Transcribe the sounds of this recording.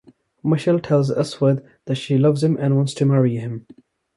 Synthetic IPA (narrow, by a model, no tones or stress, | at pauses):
məʃɛlˠtʰɛlˠzʌswəd̪ | ðɨtʃilʌvz̥ɨ̃mʔɨ̃nwɑ̃ntstʰɨmæɹiɪ̃m